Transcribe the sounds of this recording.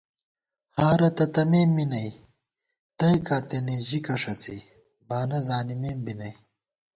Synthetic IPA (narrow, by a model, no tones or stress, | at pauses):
haːɾɐt̪ɐt̪ɐmeːmːinɐj | t̪ɐjkaːt̪eneːʑikɐʂɐt͡sḭː | baːnɐzaːnimeːmbinɐj